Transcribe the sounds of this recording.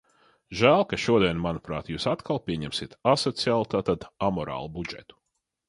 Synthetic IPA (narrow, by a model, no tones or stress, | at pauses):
ʒæːlˠkaʃuɔd̪iɛnmanupɾa̰ːt̪juːsat̪kʰalˠpʲiɛɲɛmsiɛt̪asɔt̪siaːlˠut̪aːt̪ad̪amɔɾa̰ːlˠubud͡ʒɛ̰t̪u̥